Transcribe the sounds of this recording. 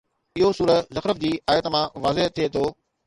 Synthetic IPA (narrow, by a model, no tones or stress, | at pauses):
ɪɦosuːɾəzɐxɾəfd͡ʑiːʔaːjət̪mãʋaːzeɦt̪ʰːiet̪ʰoː